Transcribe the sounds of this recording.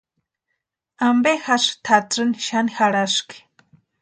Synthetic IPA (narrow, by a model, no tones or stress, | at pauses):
ambehaʂt̪ʰat͡sɨniʃanixaɽaʂki̥